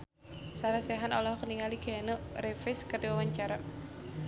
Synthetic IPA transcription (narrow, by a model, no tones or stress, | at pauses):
saɾasɛɦanɔlɔhkəniŋaliɡ̥ɛnorefɪskərdiwawaɲt͡ʃaɾa